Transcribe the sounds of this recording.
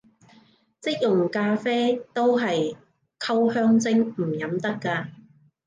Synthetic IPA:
t͡sɪ˥k̚jʊ˨ŋkaː˧fɛː˥t̪o˥wɦɐ˨j | kʰɐ˥whœː˥ŋt͡sɪ˥ŋm̩˨˩jɐ˨˥mt̪ɐ˥kːaː˧

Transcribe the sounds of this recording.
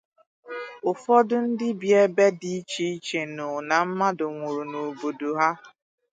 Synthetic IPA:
ʊ˨fɔ˦dʊ˦n̩˦dɪ˦bje˦be˦di˦t͡ʃi˦i˦t͡ʃe˨nʊ˨na˨m̩˦ma˦dʊ˨ŋʷu˨ɾu˨no˨bo˨do˨ɦa˦

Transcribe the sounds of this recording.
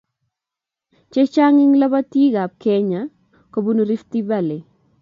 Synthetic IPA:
t͡ʃe˦t͡ʃa˦ŋɪ˦ŋla˦ba˦ti˦ɡa˨b̚kɛ˦ɲa˨˦ | ko˨bu˦nu˦ɾi˦ft̪i˦ba˦˨lɛ˨

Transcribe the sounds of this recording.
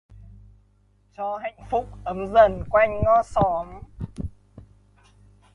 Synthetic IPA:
t͡ɕɔ˧ɦa̰˧˨jŋ̟fʊ˦˥k͡p̚ʔə˨˦mzə˧˩nkwa˧jŋ̟ːɔ˧sɔ˨˦m

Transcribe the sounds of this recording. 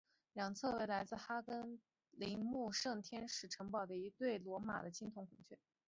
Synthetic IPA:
ljɑ˨˩ŋt͡sʰɤ˥˩we˧˥ɪla˧˥ɪd͡zɹ̩˥˩xa˥kə˥n | li˧˥ŋmu˥˧ʂɤ˥˩ŋt̪ʰjɛ˥nʂɻ̩˥˩ʈ͡ʂʰɤ˧˥ŋpɑ˨˩ʊd̪ə˦i˧˥t̪we˥˩ɪlwɔ˧˥ma̰˨˩d̪ə˦t͡ɕʰi˥ŋt̪ʰʊ˧˥ŋkʰʊ˨˩ŋt͡ɕʰɥɛ˥˩

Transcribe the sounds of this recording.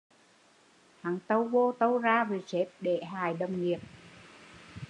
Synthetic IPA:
haː˨˩ŋt̪ə˧wvo˧t̪ə˧wzaː˧ve˨˩t͡ɕe˦˥p̚ɗe˧˩ɦaː˨˩jɗə˨˩wŋ͡mŋi˨˩əp̚

